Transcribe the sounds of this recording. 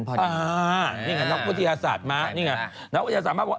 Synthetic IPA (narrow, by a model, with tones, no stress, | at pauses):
ʔaː˨˧˩niː˥˩ŋa˧˩nɔ˦˥k̚wt̪ʰːa˧jaː˧saː˨˩t̪̚ma˦˥ʔniː˥˩ŋa˦˧ | na˦˥kw̪a˧a˧aː˨˩t̪maː˥˩kwaː˨˧˩